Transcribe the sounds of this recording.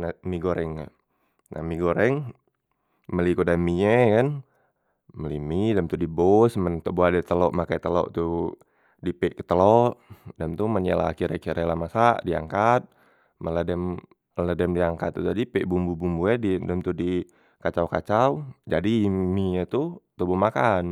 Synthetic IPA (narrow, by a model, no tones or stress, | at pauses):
namiɡoɾɛŋa̰ | nʔa̰miɡoɾɛŋ | məlikodamiɲɛkan | məlimidɛmt̪udibosmənt̪uboadɛt̪əlɔʔmakajt̪əlɔ̰ʔt̪u | dipɛʔkə̥t̪əlɔʔdamt̪umənjala̰kiɾakiɾelamasaʔdia̰ŋkat̪̚ | mələdɛm | lədɛmdiaŋkat̪ːut̪adipɛʔbumbubumbuɛdidɛmt̪udi | kat͡ʃawkat͡ʃawd͡ʒadimiɲat̪ut̪obumakan